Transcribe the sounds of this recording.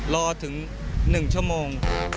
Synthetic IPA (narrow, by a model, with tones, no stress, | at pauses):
lɔː˧t̪ʰɯ˩˦ŋ | nɯ˨˩ŋt͡ɕʰu˥˩əmoː˧ŋ